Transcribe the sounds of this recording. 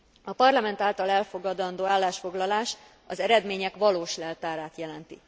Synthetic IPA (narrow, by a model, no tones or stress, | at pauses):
ɒpɒrlɒmɛnt̪aːlt̪ɒlɛlfo̞ɡɒd̪ɒnd̪oːaːlːaːʃfo̞ɡlɒlaːʃ | ɒzɛɾɛd̪meːɲɛkʋɒloːʃlɛlt̪aːɾaːt̪jɛlɛnt̪i